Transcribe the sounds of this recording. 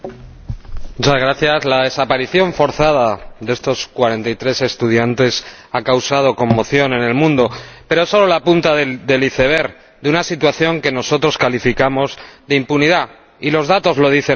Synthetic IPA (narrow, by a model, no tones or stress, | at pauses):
mut͡ʃazɣɾaθjazlaðe̞sapaɾiθjo̞ɱfo̞ɾθaðaðee̞st̪o̞skwaɾe̞nt̪ajt̪ɾe̞se̞st̪uð̞jant̪e̞s | akawsað̞o̞ko̞mːo̞θjo̞ne̞ne̞lmũnd̪o̞pe̞ɾo̞eso̞lo̞lapunt̪aðeðe̞liθe̞β̞e̞ɾ | d̪eunasit̪waθjo̞ŋke̞no̞so̞t̪ɾo̞skalifikamo̞zðeimpuniða | ilo̞zðat̪o̞zlo̞ð̞iθe